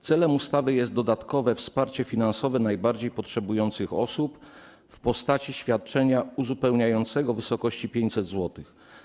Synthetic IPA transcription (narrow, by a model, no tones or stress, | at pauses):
t̪sɛlɛmust̪avɘjɛst̪d̪ɔd̪at̪kɔvɛfspaɾt͡ɕɛfʲinansɔvɛnajbaɾd͡ʑejpɔtʂɛbujɔnt̪sɘxɔ̰sup | fpɔst̪at͡ɕiɕfʲjat̪̚t͡ʂɛɲauzupɛwɲajɔnt̪sɛɡɔvɘsɔkɔɕt͡ɕipʲjeɲt͡ɕʲsɛd̪zwɔt̪ɘx